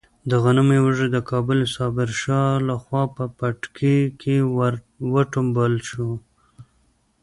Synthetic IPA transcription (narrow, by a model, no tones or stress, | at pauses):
d̪əɣanəmewəʒed̪əkʰɑbʊlsɑbɪɾʃɑlaxwɑpəpaʈkʰikʰe | wəʈʊmbəlʃu